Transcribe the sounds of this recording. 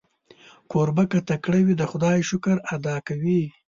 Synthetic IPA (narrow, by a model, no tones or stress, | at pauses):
koɾbakat̪akɽawid̪əxʊd̪ɑjʃʊkəɾad̪ɑkawi